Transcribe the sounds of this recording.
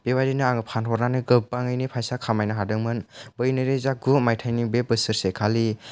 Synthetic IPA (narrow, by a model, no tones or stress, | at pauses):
b̥ewajdinɯaŋɯpʰanɦʰɔɾnanɯɡɯpːaŋɯjnipʰajsakʰamajnɯɦadɯŋmɯnbɯjnɯɾezaɡumajtʰajnibebɯsɯɾsekʰali